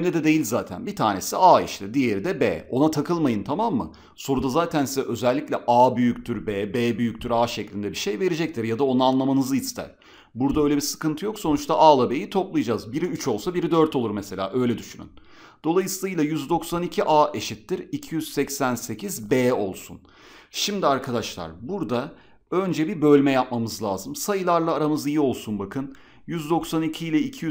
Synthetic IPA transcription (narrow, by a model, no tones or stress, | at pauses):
ɛmʲɛd̪ɛd̪e̞jilʲzaːt̪ʰæ̰nbit̪ʰa̰ːne̞siaːiʃt̪ʲɛd̪ije̞ɾid̪ɛbḛːo̞nat̪ʰakʰɯlˠmajɯnt̪ʰamamːɯ̰ | so̞ɾud̪azaːt̪ʰænsizɛʔø̞zælʲːicʲlʲɛʔaːbyjyct̪ʰyɾbeːbeːbyjyc̚t̪ʰyɾaːʃeclʲind̪ɛbiʃe̞jve̞ɾed͡ʒɛc̚t̪ʰiɾjad̪ao̞naːnlˠamanɯzɯist̪ʰæ̰ɾ̥ | buɾd̪aø̞jlʲebisɯ̥kɯnt̪ʰɯjo̞kso̞nut͡ʃt̪ʰaʔaːlˠabe̞jit̪ʰo̞plˠɯjad͡ʒazbiɾiyt͡ʃʰo̞lˠsabiɾid̪ø̞ɾt̪ʰo̞lˠuɾmese̞lʲa̰ːʔø̞jlʲɛd̪yʃyny̰n | d̪̥o̞lˠajɯsɯlˠɯjlˠajyzd̪o̞ksanicʰiʔaːʔe̞ʃit̪ːiɾicʰijyz̥sɛcsænse̞cʰizbeːo̞lˠsṵn | ʃimd̪iaɾkʰad̪aʃlˠa̰ɾbuɾd̪a | ø̞nd͡ʒɛbiɾbø̞lʲmɛjap̚mamɯzlʲˠa̰ːzɯmsajɯlˠaɾlˠaːɾamɯzijio̞lˠsunbakʰɯn | jyzd̪o̞ksanicʰiːlʲɛicʰiy